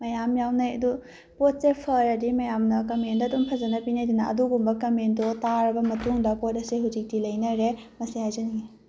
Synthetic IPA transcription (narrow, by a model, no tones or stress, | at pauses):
mɐjamjawnɐjɐdu | pot̚sepʰɐɾɐdimɐjamnɐkɐmendɐdumpʰɐzɐnɐpinajdinɐʔɐ̰duɡumbɐkɐmendotaɾɐbɐmɐtuŋdɐpot̚ɐsiɦuzik̚tilɐjnɐɾe | mɐsihajzɐniɡi